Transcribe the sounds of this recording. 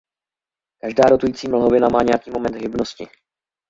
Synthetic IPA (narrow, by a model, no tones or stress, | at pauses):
kaʒdaːɾo̞t̪ujiːt͡siːml̩ɦo̞vɪnamaːɲɛjakiːmo̞mɛnd̪ɦɪbno̞scɪ